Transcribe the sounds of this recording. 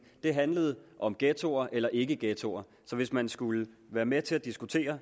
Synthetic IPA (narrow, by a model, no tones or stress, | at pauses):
d̥e̝ɦænləð̞̩ˠʔɒ̽mɡ̥ɛt͡sʰo̝̰ɐʔelɐʔe̝ɡ̥əɡ̥ɛt͡sʰo̝ɐ | sɒ̽ʋe̝smænsɡ̥uləʋæːɐmet͡sʰe̝læd̥isɡ̥ut͡sʰe̝̰ːɐ